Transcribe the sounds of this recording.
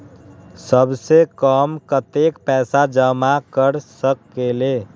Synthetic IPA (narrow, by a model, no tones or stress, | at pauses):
səbsekəmkət̪ekpɛːsad͡ʒəmakəɾsəkːele